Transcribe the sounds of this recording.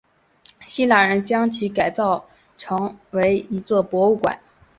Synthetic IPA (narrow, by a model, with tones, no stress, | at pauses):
ɕi˥la˥˩ɻə˧˥nt͡ɕjɑ˥ŋt͡ɕʰi˧˥ka˨˩ɪt͡sɑ˥˩ʊ | ʈ͡ʂʰɤ˧˥ŋwe˧˥ɪi˧˥t͡swɔ˥˩pwɔ˧˥u˥˩kwa̰˨˩˦n